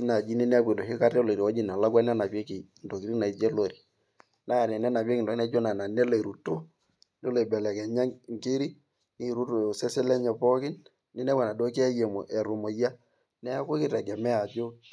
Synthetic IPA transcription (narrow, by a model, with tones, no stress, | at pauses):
na˨d͡ʒi˦ni˦nɛ˦pe˨do˨hɪ˦ka˦rɛ˦lo˨ɾi˨ɔ˦d͡ʒɪ˨na˨la˦kwa˦nɛ˦na˨pjɛ˦ki˨ndo˨ki˦ɾi˦na˨i˨˦d͡ʒe˦lo˨ɾi˨ | na˦˨nɛ˨nɛ˦na˨pjɛ˦kɪ˨dɔ˨˦na˨˦d͡ʒo˦na˨na˨nɛ˦lo˨i˨ɾu˨to˦ | nɛ˦lo˨bɛ˨lɛ˨kɛ˨ɲa˦ŋŋ˨kɪ˦ɾi˦ | ni˦˨ɾu˦tsɛ˦sɛ˦lɛ˦ɲɛ˨pɔ˦kɪ˦n | ni˦nɛ˦wa˨na˨do˦kɪ˦ɛ˦je˨mo˨ʔɛ˨ɾu˨mo˨ja˦ | nɛ˦a˦ko˦kɪ˦ɾɛ˨ɡɛ˨mɛ˦a˨d͡ʒo˦